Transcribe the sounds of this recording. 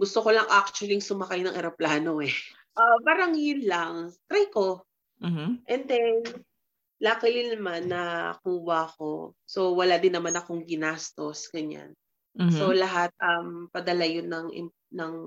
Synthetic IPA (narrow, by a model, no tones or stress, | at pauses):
ɡʊst̪oko̞lɐŋʔak̚t͡ʃʊɐliŋsʊmɐkajnɐŋʔɛɾɐplaːno̞ɛ | ʔabaɾɐŋjɪnlaŋt̪ɾajko̞ | ʔɛnd̪ɛn | lakɐjɪnɐmanːɐkuːwɐɐko̞̰so̞wɐlad̪ɪnːɐmanɐko̞ŋɡɪnast̪o̞sɡɐɲa̰n | so̞lɐɦat̪̚ʔɐmpɐd̪ɐlɐjonːɐŋʔɪ̰m | nɐŋ